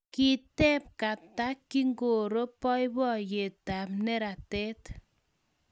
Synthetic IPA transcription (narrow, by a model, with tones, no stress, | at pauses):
ki˦tɛ˦p̚ka˨ta˦kːi˦ŋɡo˨ɾo˦pɔ˦jbɔ˦je˨ta˨pne˦ɾa˨te˦t